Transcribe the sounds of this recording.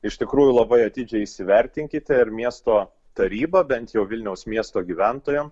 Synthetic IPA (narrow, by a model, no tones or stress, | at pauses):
ɪʃt̪ʲɪkɾuːjʊlˠɐbɐɪɐt̪ʲɪd͡ʒʲɛɪɪsʲɪʋʲɛɾʲt̪ʲɪŋʲkʲɪt̪ʲɛɪɾmʲiɛst̪oː | t̪ɐɾʲiːbɐbʲɛnt̪jɛʊʋʲɪlʲnʲɛʊsmʲiɛst̪oːɡʲiʋʲænt̪oːjɛm